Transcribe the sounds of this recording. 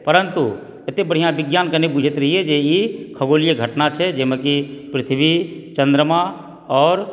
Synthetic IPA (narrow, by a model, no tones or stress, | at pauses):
pəɾənt̪u | et̪ebəɽ̤ijãbɪɡjaːnkənebud͡ʒʱət̪ɾɐɦiɛd͡ʒeikʰəɡoːlijəɡʱəʈnat͡ʃʰɛd͡ʒeməkipɾɪt̪ʰbʱit͡ʃə̃nd̪ɾəmã | ɔːɾ